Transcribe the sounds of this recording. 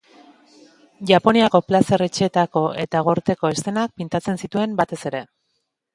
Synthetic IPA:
ʝapo̞niako̞plase̞re̞t͡ʃet̪ako̞e̞t̪aɣ̞o̞ɾt̪e̞ko̞est̪e̞nak̚pint̪at͡se̞nsit̪ue̞mbat̪e̞se̞ɾe̞

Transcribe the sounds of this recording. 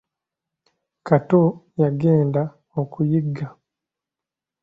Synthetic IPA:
katojaɡeːnda | okujiɡːa

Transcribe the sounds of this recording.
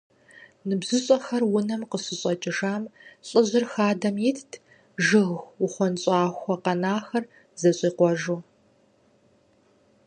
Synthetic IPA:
nɨbzɨɕʼɔxɐrwʊnɐmqəɕɪɕʼɐt͡ʃʼɪʒaːmɕʼɪʑɪrxaːdɐmjɪtʰtʰ | ʒɨɣʊχʷɔnɕʼɑːxʷɔqɐnaːxɐr | zɐɕʼiːqʷɔʒuː

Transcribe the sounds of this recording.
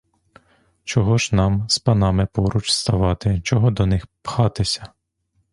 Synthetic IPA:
t͡ʃɔɦɔʒnɑmspɐnɑmɪpɔɾut͡ʃst̪ɐʋɑt̪ɪt͡ʃɔɦɔd̪ɔnɪxpxɑt̪ɪsʲɐ

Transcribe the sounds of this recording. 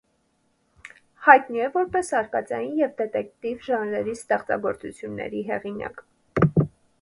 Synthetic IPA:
hɑjt̪niɛvɔɾpɛsɑɾkɑt͡sɑjinjɛvd̪ɛt̪ɛkt̪ivʒɑnɾɛɾist̪ɛχt͡sɑ̰ɡɔɾt͡sut͡sʰjunːɛ̰ɾiɦɛʁinɑ̰k

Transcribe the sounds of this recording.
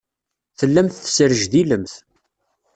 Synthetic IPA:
θəlːæmθθsəɾəʒðiləmθ

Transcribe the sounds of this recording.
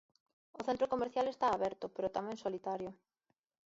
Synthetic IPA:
ʊθẽnt̪ɾokomeɾθjalest̪aːβɛɾt̪ʊpeɾʊt̪amɛ̃ŋsolit̪aɾjʊ

